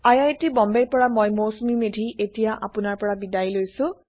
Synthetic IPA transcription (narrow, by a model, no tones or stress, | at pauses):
ajajtibɔmbeɹpɔɹamojmosmimedʱietijaʔapʊnaɹpɔɹabidajlojsʊ̃